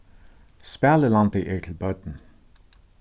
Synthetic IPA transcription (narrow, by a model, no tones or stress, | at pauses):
spæːləlɑnt̚deʔeɹtʰl̩bœːt̪n̩